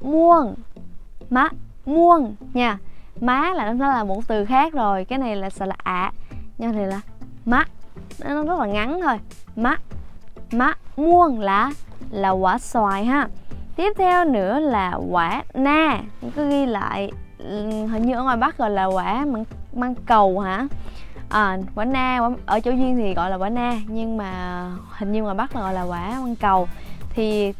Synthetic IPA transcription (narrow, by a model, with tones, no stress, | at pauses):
mu˧ən | maː˨˦˥mu˧ənɲaː˧˩maː˨˦laː˨˩n˨˦nɔ˨˦laː˨˩mo˨˩t̚t̪ɨ˨˩xaː˦˥k̚zo˨˩jkaː˨˦jna˨˩jlaː˨˩sɛ̰˧˥laː˨˩ʔa̰ː˧˨ɲa˧˩t̪ʰi˨˩laː˨˩maː˦˥n˨˦nɔ˨˦zə˦˥t̚laː˨˩ŋa˨˦nt̪ʰo˧jmaː˨˦˥ | maː˨˦˥mu˧ənlaː˨˩laː˨˩ɣwaː˧˩swaː˨˩jɦaː˧˩t̪i˦˥əp̚t̪ʰɛ˧wnɨ̰˧˥əlaː˨˩ɣwaː˧˩˦naː˧˨kɨ˨˦ɣi˧la̰ː˧˨j | ɦï˨˩ŋ̟ɲɨ˧ʔə˧ŋɔ˨˩jɓa˦˥ɣɔ̰˧˨jlaː˨˩ɣwaː˧˩˦maː˧ŋmaː˧ŋkə˨˩wha̰ː˧˥ʔəː˨˩ɣwaː˧˩˦naː˧waː˧˦ʔəː˧˩t͡ɕo˧˦wzwi˧ənt̪ʰi˨˩ɣɔ̰˧˨jlaː˨˩waː˨˦naː˧ɲɨ˧ŋmaː˨˩hï˨˩ŋ̟ɲɨ˧ŋɔ˨˩jɓa˦˥k̚laː˨˩ɣɔ̰˧˨jlaː˨˩ɣwaː˧˦maː˧ŋkə˨˩wt̪ʰi˨˩